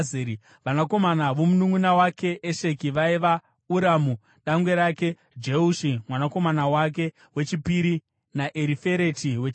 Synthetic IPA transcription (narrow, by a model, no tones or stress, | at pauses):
eɾi | ʋanako̞manaʋo̞munuŋunawake̞ʔeʃe̞kiʋaiʋa | uɾaːmu | ɗaŋɡwe̞ɾake̞ | d͡ʒeuʃimwanako̞manawak̬e̞ | we̞t͡ʃipiɾi | naʔeɾife̞ɾe̞tiwe